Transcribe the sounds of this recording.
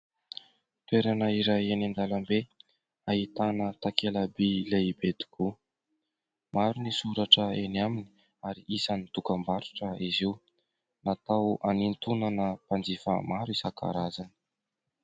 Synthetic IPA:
t̪weɾanəiɾaenind̪alambe | aɦit̪anət̪akelabileibed̪i̥kʰu | maɾunisuɾaʈ͡ʂəeniamini̥ | aɾiʔisanit̪ukəmbaɾu̥ʈ͡ʂəiziw | nat̪awanint̪unanəpand͡zifə̰maɾisakʰa̰ɾazani̥

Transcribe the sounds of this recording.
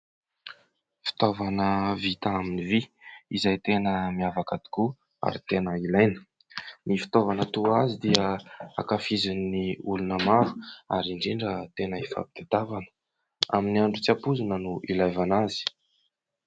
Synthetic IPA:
fi̥t̪ovanəvit̪aaminiviizajt̪enəmiavakat̪i̥ku | a̰ɾit̪enəilajnə̥ | nifi̥t̪ovanət̪uazid̪iəa̰kafizinːiulunəmaɾu̥a̰ɾiɳɖ͡ʐiɳɖ͡ʐət̪enəifa̰pi̥t̪et̪avanə̥ | a̰miniaɳɖ͡ʐut͡siapuzinənuilajvanazi̥

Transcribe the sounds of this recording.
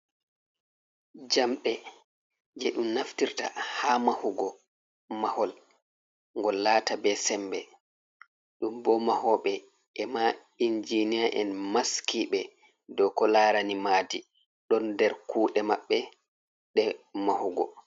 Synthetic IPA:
d͡ʒamɓɛ | d͡ʒɛɗumnaftiɾta̰hamahuɡɔ | mahɔl | ŋɡɔlːaːtabɛsɛmbɛ | ɗumbɔmahɔɓɛ | ɛma | ind͡ʒiniaʔɛnmaskiɓɛ | dɔkɔlaɾanimaːdi | ɗɔndɛɾkuːɗɛmaɓːɛ | ɗɛmahuɡɔ̰

